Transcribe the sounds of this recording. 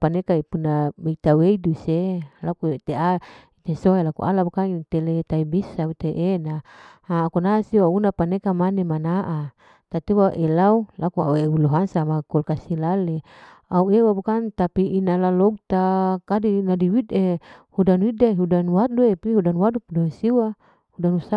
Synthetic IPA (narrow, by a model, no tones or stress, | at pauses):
panekaipunabeit̪aweiduselakut̪eait̪esoelakṵʔa̰labukaŋit̪elet̪aibisaut̪eʔenaaːkunasiaunapanekamanemanaʔa | t̪at̪iwaʔelaulakuauebuluɦaŋsamakɔlkasilale | auewabukant̪apiinalaloɡ̚t̪akadinadiwidehudanwidaɦudanwat̪̚duepiɦudanwadupudansiwa | hudanusa